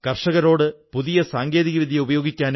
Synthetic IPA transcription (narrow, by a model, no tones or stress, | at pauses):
kɐrʂɐɣɐɾo̞ːɽɨpuðijɐsaːŋɡe̞ːðiɣɐʋid̪ʱjɐubɐjo̞ːɡikʲːaːn